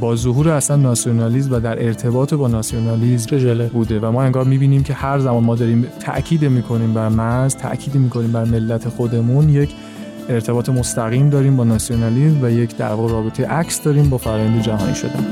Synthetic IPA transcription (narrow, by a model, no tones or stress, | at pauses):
bɒːzoɦuːɾeæslænːɒsijo̞nɒːliːzmvæd̪æɾʔe̞ɾt̪ʰe̞bɒːt̪ʰebɒːnɒsijonɒːlizmbuːd̪e̞væmɒːe̞ŋɡɒːɾmiːbiːniːmcʰe̞hæɾzæmɒːnmɒːd̪ɒːɾiːmt̪ʰæ̰ʔcʰiːd̪emiːkʰo̞niːmbæɾmæzt̪ʰæ̰ʔcʰiːd̪emiːkʰo̞niːmbæɾme̞lːæt̪ʰe̞xo̞d̪e̞munjecʰ | e̞ɾt̪ʰe̞bɒːt̪ʰe̞mo̞st̪æɣiːmd̪ɒːɾiːmbɒːnɒːsionɒlizmvæje̞cʰd̪æ̰ɾvɒːɣeɾɒːbe̞t̪ʰejeʔæcʰsd̪ɒːɾiːmbɒːfæɾːjænd̪ed͡ʒæɦɒ̰ːnḭːʃo̞̰d̪æ̰n